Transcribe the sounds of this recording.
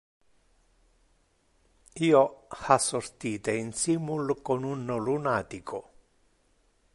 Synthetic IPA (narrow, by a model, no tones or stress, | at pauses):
iːohasːort̪iːt̪einsimulkonunːolunaːt̪ikʰo